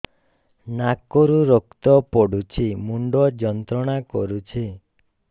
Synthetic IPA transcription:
nakɔɾuɾokt̪ɔpɔɽut͡ʃʰimuɳɖɔd͡ʒɔnt̪ɾɔɽ̃akɔɾut͡ʃʰi

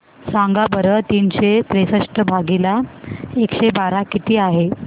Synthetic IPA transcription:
saŋɡabəɾət̪iːnɕet̪ɾesəʂʈəbʱaɡilaekɕebaɾakit̪iːaɦe

